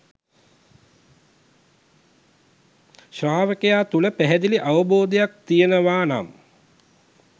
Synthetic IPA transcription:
ʃaːʋəkejaːt̪uləpæɦɛd̪iliʔaʋəboːd̪ejak̚t̪ijənəʋaːna̰m

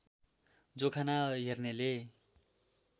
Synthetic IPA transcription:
d͡zokʰanaɦernele

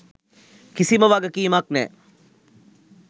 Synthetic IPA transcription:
kisiməʋaɡəkiːmaknɛ̰ː

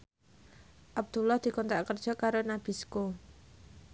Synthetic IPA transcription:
ʔab̚d̪̥ulɑhd̪̥i̤kɔnt̪ɾaʔkərd̥ʒ̥ɔ̤kaɾonab̥isko

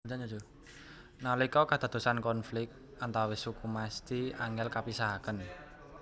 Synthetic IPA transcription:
d͡ʒaɲud͡ʒo | nalikɔkad̪̥a̤d̪̥o̤sankɔnflɪk̚t̪̚ | ant̪awɪsukumast̪iaŋɡɛlkapisaɦakən

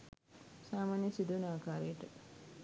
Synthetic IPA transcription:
saːmaːnjɐsid̪ʋɐnaːkaːɾəjəʈə

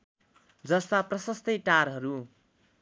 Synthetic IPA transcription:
d͡zʌst̪aprʌsʌst̪ʌjʈaɾɦʌɾu

